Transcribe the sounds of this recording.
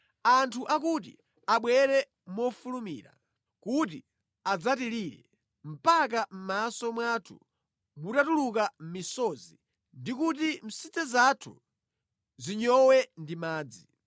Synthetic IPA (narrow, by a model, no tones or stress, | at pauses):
antʰuʔak̬ut̬ḭ | aɓwɛɾɛ | mɔfulumḭːɾa̰ | kut̬ḭ | ad͡zatiɾiɾɛ̰ | m̩pak̬am̩masɔmwatʰṵ | mutatuluk̬am̩misɔzi | ndikut̬im̩sit͡sɛzatʰṵ | ziɲɔwɛndimaːd͡zi